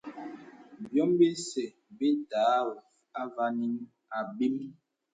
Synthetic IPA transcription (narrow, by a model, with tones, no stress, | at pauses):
bjɔ˦mbe˦sɛ˨ | be˦taː˨˦ | a˦va˦ni˦n | a˨bi˦m